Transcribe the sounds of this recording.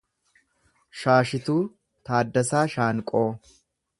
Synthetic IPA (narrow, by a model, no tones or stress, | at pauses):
ʃaːʃɪt̪uː | t̪aːd̪ːɐsaːʃaːŋkʼoː